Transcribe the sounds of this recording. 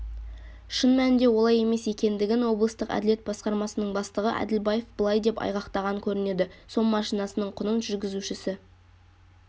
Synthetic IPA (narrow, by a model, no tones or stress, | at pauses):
ʃənmænɪnd̪e̞wo̞lˠɑje̞me̞se̞kʲe̞nd̪ɪɡʲɪnwo̞blˠəst̪əqæ̰d̪ɪle̞t̪̚bɑsqɑɾmɑsənəɴbɑst̪əʁəʔæ̰d̪ɪlbɑje̞fbəlˠɑjd̪e̞pɑ̰jʁɑqt̪ɑʁɑkʲʰɵɾɪne̞d̪ɪso̞lˠmɑʃijnɑsənəɴqʰʊnənʒʏɾɡʲɪzuʃɪsɪ